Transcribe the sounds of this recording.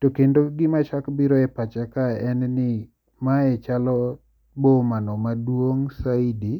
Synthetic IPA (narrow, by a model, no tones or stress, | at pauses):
tokendoɡɪmat͡ʃakbiɾɔɛpat͡ʃɛkaɛnnɪ | maɛt͡ʃalɔ | bomanɔmadwoŋsaidi